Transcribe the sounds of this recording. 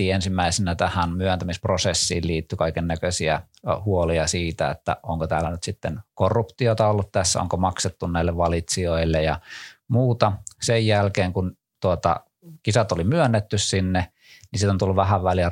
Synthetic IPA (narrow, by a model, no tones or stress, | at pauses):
iːensimːæisenæt̪æhænmyønt̪æmisprosesːḭːlliːt̪ːykɑikennækøsiæ | huoliɑsiːt̪æ̰ḛt̪ːæ̰o̰ŋkot̪æ̰ːlːˑænyt̪sit̪ːenkorːupt̪iot̪ɑolːut̪t̪æsːæ̰o̰ŋkomɑkset̪ːunnæilːeʋʋɑlit̪sioilːejɑmuːt̪ɑsejjælkeːŋkun | t̪uot̪ɑ̰ | kisæt̪olimyønːet̪ːyssinːe | nisit̪ont̪ulːuʋʋæhæʋʋæliæ